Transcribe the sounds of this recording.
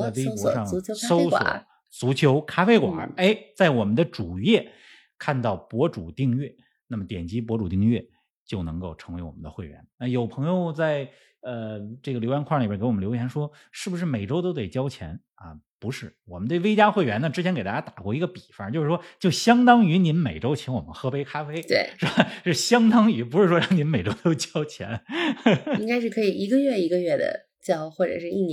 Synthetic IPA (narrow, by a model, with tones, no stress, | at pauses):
a˥˩ɪe˥ɪɔ˧˥ʂɑ˥˩ŋso˥ʊswɔ̰˨˩˦ | t͡su˧˥t͡ɕʰjo˧˥ʊkʰa˥fe˥ɪkwa̰˨˩˦e˥˩ɪt͡sa˥˩ɪwɔ˨˩mə˦nd̪ə˧ʈ͡ʂu˨˩jɛ˥˩ | kʰa˥˧nt̪ɑ˥˩ʊpwɔ˧˥ʈ͡ʂu˨˩t̪i˥˧ŋɥɛ˥˩ | na˥˩mə˩t̪jɛ˨˩nt͡ɕi˧˥p̬wɔ˧˥ʈ͡ʂu˨˩t̪i˥˧ŋɥɛ˥˧ | t͡ɕjo˥˩ʊnɤ˧˥ŋko˥˧˩ʊʈ͡ʂʰɤ˧˥ŋwe˧˥ɪwɔ̰˨˩mə˦nd̪ə˧xwe˥˩ɪɥɛ̰˧˥nna˥˩jo˨˩ʊpʰɤ˧˥ŋjo˧ʊt͡sa˥˧ɪ | ə˧ʈ͡ʂɤ˥˩ɡə˩ljo˧˥ʊjɛ˧˥nkʰwa˥˩li˨˩bɛ˥kɪɔ˨˩m˦nljo˧˥ʊ˥jʰjɛ˧˥nʂwɔ˥ | ʂɻ̩˥˩bu˩ʂ̬ɻ̩˥˩me˨˩ɪʈ͡ʂo˥ʊt̪o˥ʊt̪̬e˥˩ɪt͡ɕjɑ˥ʊt͡ɕʰjɛ̰˧˥n | ɐ̰˧ | pu˧˥ʂɻ̩˥˩wɔ˨˩mə˦nt̪we˥˩ɪʋe˥ɪt͡ɕja˥xwe˥˩ɪɥɛ˧˥nə˧ʈ͡ʂɻ̩˥t͡ɕʰɛ˧˥nke˨˩ɪt̪a˥t͡ɕa˥t̪ḁ˨˩kwɔ˥˩i˧˥ɡə˧pi˨˩fa˧˥˩t͡ɕjo˥˧ʊʂɻ̩˥˩ʂwɔ˥t͡ɕjo˥˩ʊɕjɑ˥ŋt̪ɑ˥ŋy˧˥ni˧˥nme˨˩ɪʈ͡ʂo˥ʊt͡ɕʰjɛ˧˥nwɔ˨˩mə̰˦nxɤ˧˥pe˥ɪkʰa˥fe˥ɪt̪wḛ˥˩ɪʂɻ̩˥ba˥˩ʂɻ̩˥˩ɕjɑ˥ŋt̪ɑ˥ŋy˧˥pu˧˥ʂɻ̩˥˩ʂwɔ˥ɻɑ˥˩ŋni˧˥nme˨˩ɪʈ͡ʂo˥ʊt̪o˥ʊt͡ɕjɑ˥ʊt͡ɕʰjɛ̰˧˥n | i˥ŋka˥ɪʂɻ̩˥˩kʰɤ˧˥i˨˩i˧˥ɡə˧ɥɛ˥˩i˧˥ɡə˧ɥɛ˥˩d̪ə̰˩ | t͡ɕjɑ˥ʊxwɔ˥˩ʈ͡ʂɤ̰˨˩ʂɻ̩˥˧i˥˩n˧